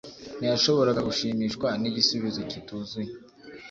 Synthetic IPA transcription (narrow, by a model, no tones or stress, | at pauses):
nijaʃo̞βo̞ɾaɡaɡuʃiːmiːʃkwaniɟisuβizo̞cituːzuje